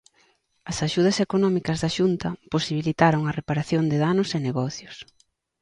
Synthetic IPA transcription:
ɐsaʃuð̞ɐsekonɔmikɐzðɐʃunt̪ɐposiβ̞ilit̪aɾoŋɐrepaɾaθjond̪eðanʊseneɣɔθjʊs

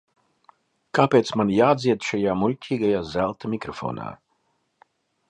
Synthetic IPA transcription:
kaːpʲeːt̪smanjaːd̪ziɛd̪ʃajaːmulʲcʲʰiːɡajaːzælˠt̪amʲikɾɔfo̰ːna̰ː

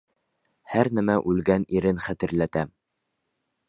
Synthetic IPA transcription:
hæɾnæmæʔʉlɡæniɾɘnχæt̪ɘ̆ɾlæt̪æm

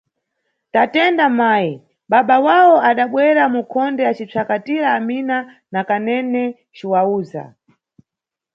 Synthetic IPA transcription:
tatɛndamaːji | ɓaɓawawɔaɗaɓwɛɾamukʰɔndɛat͡ʃit͡sʰakatiɾaːmina | nakanɛnɛ | t͡ʃiwauːza̰

